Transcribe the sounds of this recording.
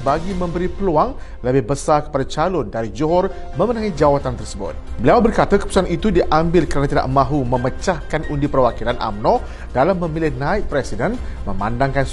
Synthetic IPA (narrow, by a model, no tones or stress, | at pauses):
baɡimə̃mbəɾipəluaŋləbɪhbəsarkə̥padat͡ʃalʊndaɾid͡ʒuɦɔr | mə̃mənãŋid͡ʒawat̪ant̪ərsəbʊ̰t̪̚bəliawbərkat̪əkəpu̥suanit̪udiʔambɪlkəɾanat̪ida̰ʔmãɦumə̃mət͡ʃahkanundipərwakilanʔa̰mnɔ̃ | d̥alamːə̃milɪhnãɪt̪̚pɾɛsidɛnmə̃mãndaŋkans